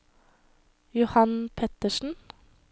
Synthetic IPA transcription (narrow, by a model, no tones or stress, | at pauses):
jʊhɑnpʰɛt̪əʃn̩